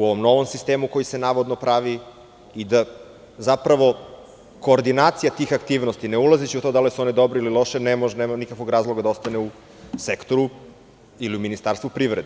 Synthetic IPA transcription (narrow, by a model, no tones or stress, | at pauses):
uoʋo̞mno̞ʋomsist̪eːmuko̞jisenaːʋod̪nopɾaʋi | id̪a | zapɾaʋo̞ | ko̞ːɾd̪inaːt̪sijat̪iːxakt̪iːʋnost̪ineulˠazit͡ɕiut̪od̪alisuo̞nid̪obɾoililˠo̞ʃenemoʒeneːmanikakʋoɡɾaːzlˠoɡad̪aost̪aneu | sekt̪o̞ɾu | iliuminist̪aːɾst̪vupɾiːʋɾed̪e